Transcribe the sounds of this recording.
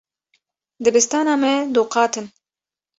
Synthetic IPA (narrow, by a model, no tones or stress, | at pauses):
d̪ɨbɨst̪ɑːnɑːmɛd̪uːqɑːt̪ɨn